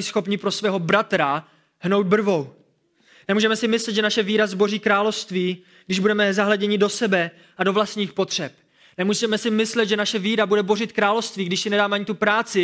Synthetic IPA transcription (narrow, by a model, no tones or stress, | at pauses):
ɪsxo̞pɲɪpɾo̞svɛːɦo̞bɾat̪ɾa | hno̞wd̪̚br̩vo̞w | nɛmuːʒɛmɛsɪmɪslɛt̪ʒɛnaʃɛviːɾazbo̞riːkɾaːlo̞fst̪viː | ɡdɪʒbudɛmɛzaɦlɛɟɛɲɪdo̞sɛbɛ | ʔado̞vlast̪ɲiːxpo̞t̪r̝̥ɛp̚ | nɛmuːzimɛsɪmɪslɛt̪ʒɛnaʃɛviːɾabudɛbo̞rɪt̪kɾaːlofst̪viːɡdɪʃsɪnɛdaːmɛaɲɪt̪upɾaːt͡sɪ